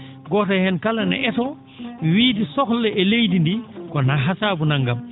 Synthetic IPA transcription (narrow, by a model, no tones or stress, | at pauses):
ɡɔːtahɛnkalanɛ̰ʔɛsɔ | wiːdisɔxlːɛʔɛlejdindikɔnaɦasaːbunaŋɡam